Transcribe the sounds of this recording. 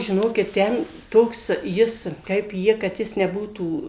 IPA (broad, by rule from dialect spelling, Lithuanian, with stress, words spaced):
ʒʲɪˈnoːkʲɪt ˈtʲɛn ˈtoːks ˈjɪs kɐɪp ˈjɪ kɐt ˈjɪs nʲɛˈbuːtuː